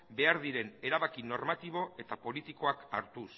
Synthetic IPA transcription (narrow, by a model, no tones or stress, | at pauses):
be̞aɾðiɾe̞ne̞ɾaβakino̞ɾmat̪iβo̞ʔe̞t̪apo̞lit̪iko̞akaɾt̪us